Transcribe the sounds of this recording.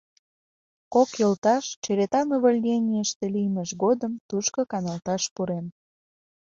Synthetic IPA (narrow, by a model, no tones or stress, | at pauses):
kokjəlt̪ɑʃt͡ʃeɾet̪ɑnuβəlʲnenʲiəʃt̪elijməʃɣod̪əmt̪uʃkokɑnɑlt̪ɑʃpuɾem